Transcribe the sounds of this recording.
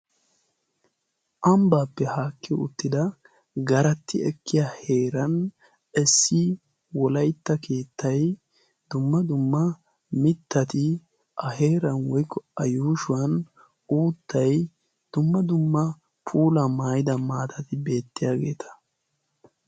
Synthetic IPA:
ʔɐmbaːpːɛhaːkʰːɪʊ̰t̪ːɪd̪ɐ | ɡɐɾɐt̪ːɪɛkːɪjaːhe̞ːɾɐn | ɛsːɪ | wɔlɐjt̪ːɐke̞ːt̪ːɐj | d̪̥ʊmːɐd̪ʊmːɐ | mɪt̪ːɐt̪ɪ | ʔɐhe̞ːɾɐnwɔjkːɔɐjuːʃʊwɐn | uːt̪ʰːɐj | d̪̥ʊmːɐd̪ʊmːɐ | pʰuːlɐmaːjɪd̪ɐmaːt̪ʰɐt̪ɪbe̞ːt̪ːɪjaːɡe̞ːt̪ʰɐ̥

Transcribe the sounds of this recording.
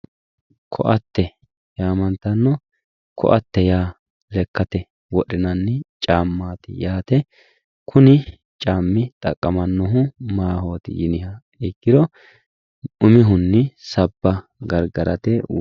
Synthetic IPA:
kʰɔ̰ʔɐt̪ːɛ | jaːmɐnt̪ːɐnːɔ | kʰɔ̰ʔɐt̪ːɛjaː | lɛkːɐt̪ɛ | wɔɗɪnɐnːɪt͡ʃʼaːmːaːt̪ɪ̰jaːt̪ɛ | kʰʊnɪ | t͡ʃʼaːmːɪt̪ʼɐkʼːɐmɐnːɔɦʊmaːɦo̞ːt̪ɪ̰jɪnɪhɐ | ɪɡːɪɾɔ | ʊmɪɦʊnːɪsɐbːɐ | ɡɐɾɡɐɾʔɐt̪ɛ

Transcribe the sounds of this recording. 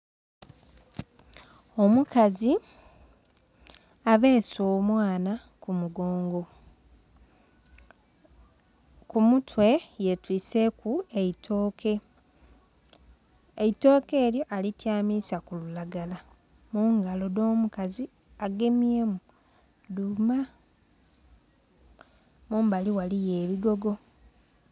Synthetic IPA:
o̞mukazi | aβe̞ːsoːmwaːna | kumuɡo̞ːŋɡo̞ | kumutwe̞je̞twiːse̞kueitʰoːke | eito̞ːke̞ːljoʔalitjaːmisakululaɡala | muŋɡalo̞do̞ːmukazi | aɡe̞mjemu | duma | muːmbaliwalije̞ːβiɡo̞ɡo̞

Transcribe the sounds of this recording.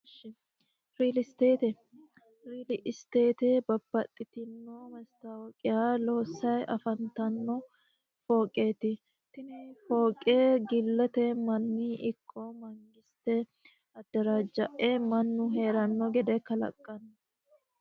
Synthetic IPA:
ʃ | ɾiːlɪst̪eːt̪ɛ | ɾiːlɪʔɪst̪e̞ːt̪ebɐbːɐt̪ʼːɪt̪ɪnːoːmɛst̪awɔkʼɪjaːlo̞ːsːɐjʔɐfɐnt̪ɐnːɔ | fo̞ːkʼːe̞ːt̪ɪ | t̪ɪnɛfoːkʼːeːɡɪlːɛt̪ɛmɐnːiːʔɪkʰʼːɔmɐŋɡɪst̪ɛ | ɐd̪ːɐɾaːd͡ʒːɐʔemɐnːʊɦe̞ːɾɐnːɔɡɛd̪ɛkɐlɐ̰kʼːɐnː

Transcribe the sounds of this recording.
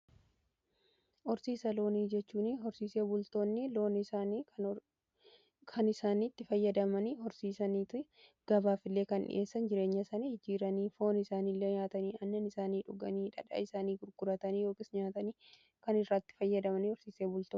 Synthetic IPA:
ʔɔɾsiːsɐlo̞ːniːd͡ʒɛt͡ʃːuːnɪɦɔɾsiːse̞ːbʊlt̪o̞ːnːɪlo̞ːnɪsaːnː | kʰɐnɪsaːniːt̪ːɪfɐjːɐd̪ɐmɐniːhɔɾsiːsɐniːt̪ʊ | ɡ̥ɐbaːfɪlːe̞ːkɐnᶑɪ̰ʔeːsːɐnd͡ʒɪɾeːɲːɐsɐnihɪd͡ʒiːɾɐniːfo̞ːnɪsaːniːlːeɲaːt̪ɐniːɐnːɐnɪsaːniːᶑʊɡɐniːᶑɐᶑɐ̰ɪsaːniːɡʊɾɡ̥ʊɾɐt̪ɐniːjoːkʼɪsɲaːt̪ɐniː | kɐnɪrːat̪ːɪ̥fɐjːɐd̪ɐmɐniːhɔɾsiːseːbʊlt̪oːn

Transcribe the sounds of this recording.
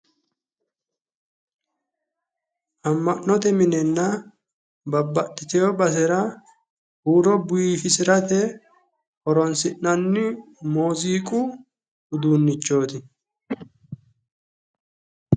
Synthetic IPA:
ʔɐmːɐʔːɔt̪ɛmɪnɛnːɐ | bɐbːɐtːɪt̪ɛjɔbɐs̬ɛɾɐ | huːɾɔbʊjiːfɪsɪɾɐt̪ɛ | ʔɔɾɔnsɪʔnɐnːɪ | moːziːkʼʊ | ʊd̪uːnːɪt͡ʃːo̞ːt̪ɪ

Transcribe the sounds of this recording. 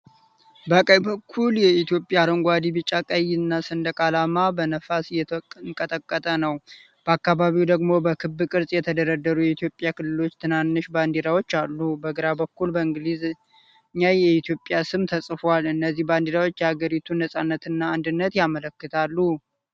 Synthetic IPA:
bəkʼəjbəkʰːuljɛit̪ʰijo̞pʼjaɾəŋɡʷad̪ibɨt͡ʃʼːakʼəjɪnːasɨnd̪əkʼalamabənəfasjɛɨŋkʼət̪ʼəkʼːət̪ʼənəw | b̥əakːaβaβiwd̪əɡmo̞bəkʰɨbːɨkʼɨɾsʼjɛt̪ʰəd̪əɾəd̪ːəɾujɛit̪ijo̞pʼjakɨlːɨlo̞t͡ʃːt̪ʰɨnanːɨʃband̪iɾawo̞t͡ʃːalːubəɡɨɾabəkːulbəɨŋɡliz | ɲːajɛit̪ʰijo̞pʼjasɨmt̪ʰəsʼfwalɨnːəzːihband̪iɾawo̞t͡ʃːjɛhaɡəɾit̪ʰunəsʼanːət̪ɨnːaːnd̪ɨnːət̪jamələkːɨt̪ʰalːu

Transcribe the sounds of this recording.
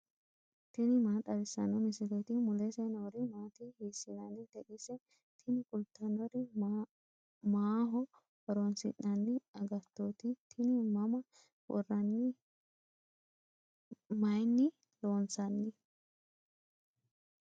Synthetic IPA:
t̪ɪnɪmaːt̪ʼɐɾɪsːɐ̰nɔmɪsɪlet̪ɪmʊlɛsɛnɔɾɪmaːt̪ɪhisːɪnɐnːɪt̪ɛʔɪsɛ | t̪ʰɪnɪkʼʊlt̪ːɐnɔɾɪ | maːɦɔ | hɔɾɔnsɪ̰ʔːɐnːɪɐɡɐt̪ːot̪ɪt̪ʰɪnɪmɐmɐ | wɔ̰rːɐnːɪ | mɐjnːɪ | loːnsɐnːɪ

